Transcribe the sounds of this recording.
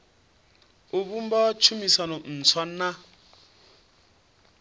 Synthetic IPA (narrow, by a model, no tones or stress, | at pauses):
uβum̩bɔt͡ʃʰumisanɔn̩t͡sʰwan̩na